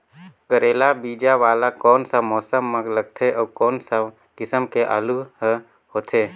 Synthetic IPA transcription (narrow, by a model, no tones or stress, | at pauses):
kəɾeːlabiːd͡ʒaʋaːlakɔːnsamɔːsəmːə̃ɡləɡt̪ʰeʔɔːkɔːnsa | kɪsəmkeʔa̰ːlu | ɦoːt̪ʰeː